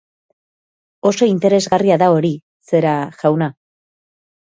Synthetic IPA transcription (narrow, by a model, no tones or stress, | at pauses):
o̞so̞int̪e̞ɾe̞zɣariaðao̞ɾi | se̞ɾaʝawna